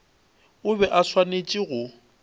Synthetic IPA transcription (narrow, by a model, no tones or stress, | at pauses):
ʊbɛʔaswanet͡ʃʼiɣʊ